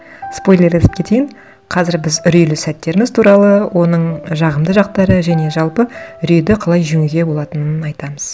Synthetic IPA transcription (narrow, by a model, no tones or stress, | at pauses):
spo̞jlʲˠe̞ɾesɪp̚kʲʰe̞t̪ejɪn | qʰɑzɪɾbɪzʏɾijlɪsæt̪ːe̞ɾɪmɪzt̪ʰuɾɑlˠəwʔo̞nəɴʒɑʁəmd̪əʒɑq̚t̪ɑɾəʒæne̞ʒɑlˠpəʏɾijd̪ɪqʰɑlˠɑjʒʏŋyɡʲe̞bo̞lˠɑt̪ənənɑjt̪ɑməz̥